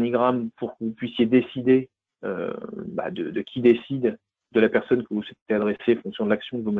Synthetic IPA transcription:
niɡʁampuʁkəvupɥisjed̪esid̪e | ø̰ba̰d̪əd̪əkʲid̪esid̪ | d̪əlapɛʁsɔnkəvuswɛt̪et̪ead̪ʁeseɑ̃fɔ̃ksjɔ̃d̪əlaksjɔ̃kəvum

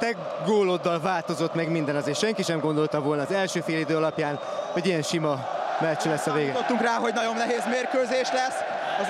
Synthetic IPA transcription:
t̪ɛɡ | ɡoːlo̞d̪ːɒlvaːlt̪o̞zot̪mɛɡmind̪ɛnɒzeːʃɛŋkiʃɛmɡo̞nd̪o̞lt̪ɒvo̞lnɒːzɛlʃøːfeːlid̪øːɒlɒpjaːn | ho̞ɟijɛnʃimɒmɛt͡ʃlɛsːɒveːɡ̪ot̪ːuŋkraːɦo̞ɟnɒɟo̞nːɛɦeːzmeːrkøːzeːʃlɛsː | ɒz

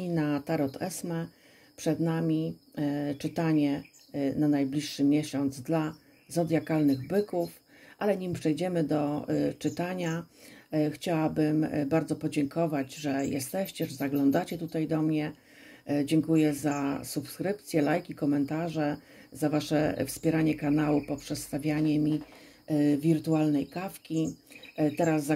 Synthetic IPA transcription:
inat̪aɾɔt̪ʰɛsmɛ | pʂɛd̪namʲi | t͡ʂɘt̪aɲɛ | nanajblʲiʂːɘmʲjɛɕɔnd̪zd̪la | zɔd̪ʲjakalnɘɣbɘkuf | ʔalɛɲimpʂɛjd͡ʑɛmɘd̪ɔt͡ʂɘt̪aɲa | xt͡ɕawabɘmbaɾd̪zɔpɔd͡ʑɛŋkʰɔvad͡ʑʐɛjɛ̰st̪ɛɕt͡ɕɛʐɛzaɡlɔnd̪at͡ɕɛt̪ut̪ajd̪ɔmɲɛ | d͡ʑɛŋkujɛzasupskɾɘp̚t̪sʲjɛlajkʲikɔmɛnt̪aʐɛ | zavaʂɛ̰fspʲjɛɾaɲɛkanawupɔpʂɛt̪st̪avʲjaɲɛmʲi | vʲiɾt̪ualnɛjkafkʲi | t̪ɛɾazːa

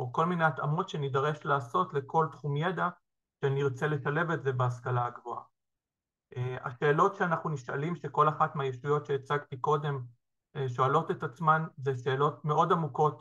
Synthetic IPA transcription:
oko̞lmineat̪amo̞tʃenidaʁe̞ʃlaːso̞tle̞ko̞lt̪χumjed̪a | ʃeaniiʁt͡se̞le̞ʃale̞vetze̞beaskalaaɡvo̞a̰ | ʔea̰ʃe̞ːlo̞tʃeanaχnuniʃa̰limʃe̞ko̞laχatmeajeʃujo̞tʃeːt͡saɡt̪iko̞de̞m | eʃo̞alo̞tetat͡smanzeʃe̞ːlo̞tme̞o̞damuko̞t

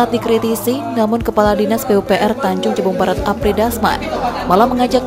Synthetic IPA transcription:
at̪̚dikɾit̪isinamʊnkəpaladinasbeupeʔɛrt̪aɲd͡ʒʊŋt͡ʃəbuŋbaɾat̪apɾidasma̰nmalahməŋad͡ʒak

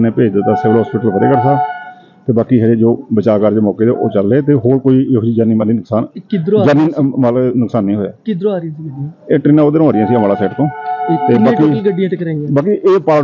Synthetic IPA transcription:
nẽːpeːd͡ʒd̪t̪ːaːsɪʋəlɦɔːspɪːʈəlbʰəɾḛːkəɾt̪aː | t̪eːbaːkiːɦɛd͡ʒed͡ʒoːbət͡ʃaːkəɾd͡ʒeːmɔːkeːd̪eʔoːt͡ʃəlːeːt̪eːɦoːɾkoːiːd͡ʒiːd͡ʒəniːmaliːnəksaːnkɪd̪ɾod͡ʒaniːmalnʊksaːnːĩːɦoːa̰ːkɪd̪ɾoaːɾ̃sieːʈɾiːnãːoːd̪ɾ̃ːaːɾɪjãːsiːəmaːlaːsɛːʈt̪õːeːbaːkiɡəɖijãːʈkɾaibaːkiʔeːpaː

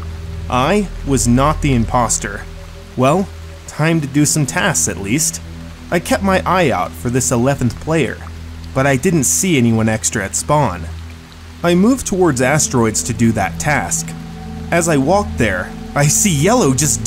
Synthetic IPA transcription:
ʔaɪwʌznət̪̚ðiɨ̃mpʰɑstə̰˞ | wɛlˠ | tʰãɪ̃mtɨdɨsʌ̃mtʰæsksɨ̰ʔˡlist | ʔaɪkʰɛp̚t̚maɪʔaɪaʊtfə˞ðɪsəlɛṽn̩θpʰl̥eɪə̰˞ | b̥ʌɾaɪdɪdⁿn̩tsiɛniwʌ̃nɛkstɹ̥ɨɨtspɑ̃n | aɪmuvtʰəwɔɹdzæstɹ̥ɔɪdz̥tʰɨdɨðɨ̰tʰæsk | ɨzaɪwɔk̚t̪̚ðə˞ʔaɪsijɛlˠoʊd͡ʒʌs

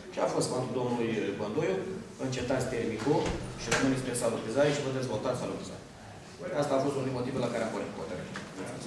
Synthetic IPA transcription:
ʃiafo̞st̪fant̪ud̪omnulujbond̪ojuɨnt͡ʃe̞t̪at̪sʲt̪eɾmikuʃirəmɨnisʲpesalut̪izaɾiʃivəd̪e̞zvo̞lt̪at̪salut̪iza̰ɾ | ast̪aːfost̪unod̪imo̞t̪ivelakaɾeampoɾʲit̪kot̪eɾe

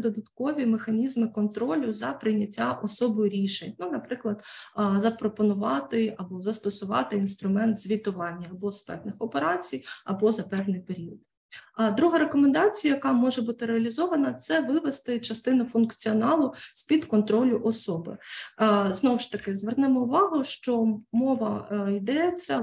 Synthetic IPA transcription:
d̪ɔd̪ɐt̪kɔʋʲimexɐnʲizmɪkɔnt̪ɾɔlʲʊzɐpɾɪjnʲɐtʲːaʔɔsɔbɔjʊɾʲiʃenʲnunɐpɾɪklˠɐd̪zɐpɾɔpɔnʊʋɑt̪ɪɐbɔzɐst̪ɔsʊʋɑ̰t̪ɪinst̪ɾʊmɛnt̪z̥ʲʋʲit̪ʊʋɑnʲːɐːbɔspɛ̰wnɪxɔpeɾɑt͡sʲijɐ̰bɔzɐpɛʋnɪjpeɾʲiɔd̪ | d̪ɾuɦɐɾekɔmend̪ɑt͡sʲijɐjɐkɑmɔʒɛbut̪ɪɾeɐlʲizɔʋɐnɐt̪sɛʋɪʋest̪ɪt͡ʃɐst̪ɪnʊfʊnkt͡sʲiɔnɑlˠʊspʲid̪kɔnt̪ɾɔlʲʊʔɔsɔbɪ̰ | znɔwʊʃt̪ɐkɪzʋernɛmɔʊʋɑɦʊʃt͡ʃɔmɔʋɐid̪ɛt͡sʲːɐ

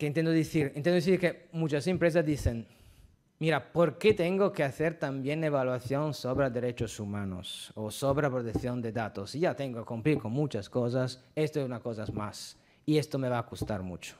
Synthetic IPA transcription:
keint̪end̪oðiθiɾint̪end̪oiθiɾkemut͡ʃasempɾes̬asd̪iθen | miɾapoɾket̪eŋɡokeaθeɾt̪ambjeneβalwaθjonsoβɾad̪eɾet͡ʃosumano̰sosoβɾapɾot̪ekθjond̪ed̪at̪osiʝat̪eŋɡoakumpɾiɾkonmut͡ʃaskos̬asest̪oes̬unakos̬aezmas | iest̪omeβaːkust̪a̰ɾmṵt͡ʃo̥

